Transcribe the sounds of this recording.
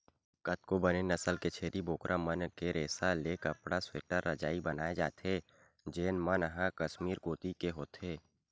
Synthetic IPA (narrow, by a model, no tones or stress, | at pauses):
kət̪̚kobənenɐsəlket͡ʃʰeːɾiboːkɾʔamənkeɾeːsalekəpɽasweːʈəɾːɐd͡ʒaːibɐnaːed͡ʒa̰ːt̪ʰeː | d͡ʒeːnmənɦãkəʃmiːɾɡoːt̪ikeɦoːt̪ʰeː